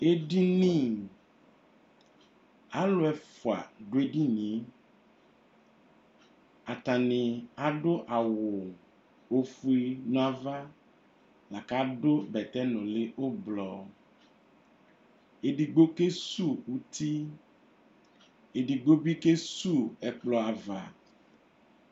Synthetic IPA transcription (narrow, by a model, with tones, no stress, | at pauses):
e˦ɖi˦nĩ˦˨ | a˦lo˦ɛ˨fo˨a̰˨ɖo˦e˦ɖi˦nĩ˨˦ | a˨t̪a˨ne˨a˨ɖo˦ʔa˨wo˨ | o˦fu˦e˦nɔ̃˦a˦va˦ | la˨ka˦ɖo˦bɛ˨t̪ɛ˦nɔ̃˨le˦ʔo˦blɔ˨ | e˨ɖi˨ɡ͡bo˦ke˦su˦˨wu˦t̪i˦ | e˨ɖi˨ɡ͡bo˦bi˦ke˦su˦˨ɛ˨k͡plɔ˨a˨va̰˨